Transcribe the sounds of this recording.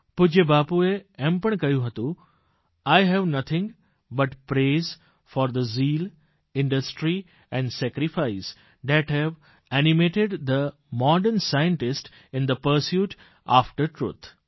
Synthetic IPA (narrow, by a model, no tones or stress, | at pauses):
pʊd͡ʒebaːpueɛ̃mpəɳkɐjũɦɐt̪ũ | aɪɦɛʋnʌt̪ʰɪ̃ŋ | bɐʈpɾeːz | fɔːɾd̪əziːl | ɪ̃ɳɖəsʈɾi | ɛ̃ɳɖsɛkɾɪfaɪs | d̪ɛʈɦɛʋ | ænɪmeːʈɪɖd̪ə | mɔːɖəɾnsajə̃ɳʈɪsʈ | ɪ̃nd̪əpəɾsjuːʈ | a̰ːfʈəɾʈɾṵːt̪ʰ